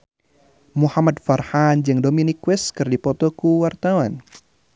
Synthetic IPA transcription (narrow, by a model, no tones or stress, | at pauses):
muhamad̚farhand͡ʒɨŋdominikwɛskɨrdipɔt̪ɔkuwart̪awan